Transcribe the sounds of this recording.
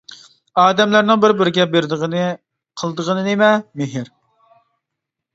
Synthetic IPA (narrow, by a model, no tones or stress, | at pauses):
ɑːd̪ɛmlæɾnɪŋbɪɾbɪɾɪɡʲɛbeɾd̪ɨʁnɨ | qʰəlˠd̪əʁənɨnemɛmeɦɪɾ